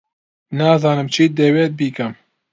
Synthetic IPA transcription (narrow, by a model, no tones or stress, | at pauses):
nɑːzɑːnɨmt͡ʃʰiːd̪eːweːt̪̚biːkɐm